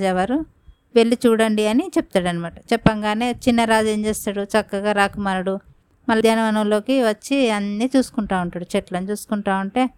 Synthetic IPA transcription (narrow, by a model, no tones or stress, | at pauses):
d͡ʒɛʋaːɾu | ʋe̞ɭːit͡ʃuːɽɐɳɖiɐnit͡ʃɛp̚t̪aːɽɐnimaːʈɐt͡ʃɛpːɐŋɡaːne̞ːt͡ʃinːɐɾaːd͡ʒeɲt͡ʃeːst̪aːɽut͡ʃɐkːɐɡaːɾaːkumaːɾɐɽu | mɐlːd̪aːnɐmɐnɐmlo̞ːkiʋɐt͡ʃːiɐnːiːt͡ʃuːsu̥kuɳʈaːuɳʈaːɽut͡ʃeʈlɐnit͡ʃuːsu̥kuɳʈaːuɳʈe̞ː